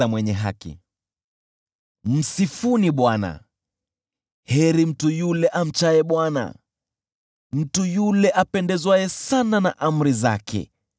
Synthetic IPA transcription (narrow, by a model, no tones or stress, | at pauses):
amwɛɲɛɦa̰kḭ | m̩sifuniɓwana̰ | hɛɾim̩tujulɛʔam̩t͡ʃaɛɓwana̰ | m̩tujulɛʔapɛndɛzwajɛsananaʔam̩ɾiza̰kɛ̰